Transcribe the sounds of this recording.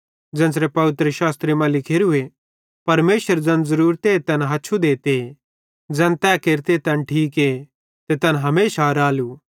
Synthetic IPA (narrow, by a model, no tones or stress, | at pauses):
d͡ʒɐ̃ns̬ɾepɐʋɪt̪ɾəʃaːst̪ɾimãlɪkʰeɾʊe | pɐɾmeːsəɾd͡zɐ̃nzɐɾuːɾt̪eːt̪ɐnɦɐtːʃʰud̪eːt̪e | d͡zɐ̃nt̪ɛːkeːɾt̪et̪ɐnʈʰiːke | t̪et̪ɐnɦɐmeːʃaɾaːlu